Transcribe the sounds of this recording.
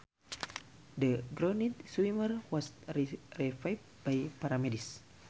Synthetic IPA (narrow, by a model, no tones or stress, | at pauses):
dəɡɾonit̪̚swimərwɔsɾiɾifajf | b̥ajpaɾamidis